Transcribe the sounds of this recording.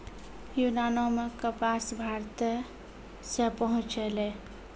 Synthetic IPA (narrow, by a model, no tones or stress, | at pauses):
junanomekəpasbʱaɾt̪ | sepəɦũt͡ʃele